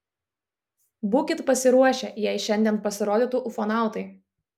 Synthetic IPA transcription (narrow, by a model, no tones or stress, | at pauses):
bʊkʲɪt̪pɐsʲɪɾuɔʃʲejɛɪʃʲɛnʲd̪ʲiɛn̚pɐsʲɪɾoːd̪ʲɪːˑt̪ʊʔʊfɔnɑˑʊt̪ɐɪ